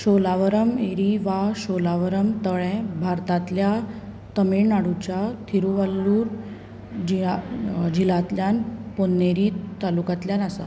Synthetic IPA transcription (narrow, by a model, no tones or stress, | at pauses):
ɕolaʋəɾəmeɾiʋaɕolaʋəɾəmt̪əɭɛ̃bʱaɾt̪at̪lja | t̪əminaɽut͡ɕat̪ʰiɾuʋalːuːɾ | d͡ʑi | d͡ʑilat̪ljanponːeɾiːt̪alukat̪ljanasa̰